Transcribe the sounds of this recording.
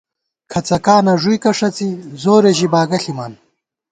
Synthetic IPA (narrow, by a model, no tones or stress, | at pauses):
kʰɐt͡sɐkaːnɐʐujkɐʂɐt͡sizoːɾeʑibaːɡɐɬimaːn